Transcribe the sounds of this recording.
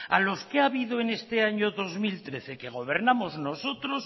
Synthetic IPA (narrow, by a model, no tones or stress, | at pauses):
a̰lo̞skeaβiðoene̞st̪e̞aɲoðo̞zmilt̪ɾe̞θe̞ke̞ɣ̞o̞β̞e̞ɾnamo̞zno̞so̞t̪ɾo̞s